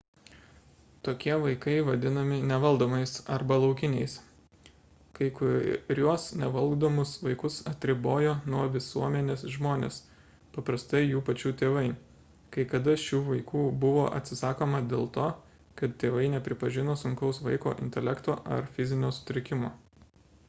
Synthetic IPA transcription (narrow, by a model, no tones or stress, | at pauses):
t̪oːkʲiɛʋɐɪkɐɪʋɐd̪ʲɪnɐmʲɪnʲɛʋɐlˠd̪oːmɐɪsɐɾbɐlˠɒʊkʲɪnʲɛɪs | kɐɪkʊɾʲuɔsnʲɛʋɐlˠɡd̪oːmʊsʋɐɪkʊsɐt̪ʲɾʲɪboːjoːnuɔʋʲɪsuɔmʲɛnʲeːsʒmoːnʲḛːs | pɐpɾɐst̪ɐɪjuːpɐt͡ʃʲuːt̪ʲeːʋɐɪ | kɐɪkɐd̪ɐʃʲuːʋɐɪkuːbʊʋo̰ːʔɐ̰t̪ʲsʲɪsɑːkoːmɐd̪ʲeːlˠt̪oː | kɐt̪t̪ʲeːʋɐɪnʲɛpʲɾʲɪpɐʒʲɪnoːsʊŋʲkʲɛʊsʋɐɪko̰ːʔɪ̰nʲt̪ʲɛlʲɛkt̪oːʔɐ̰ɾfʲɪzʲɪnʲoːsʊ̥t̪ʲɾʲɪkʲɪmoː